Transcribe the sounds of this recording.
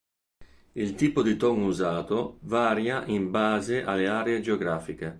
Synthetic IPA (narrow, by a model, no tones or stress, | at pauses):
ilt̪iːpod̪it̪ɔŋuzaːt̪ovaːɾjaʔimbaːzeʔa̰lːeaːɾeed͡ʒeoɡɾaːfik̟e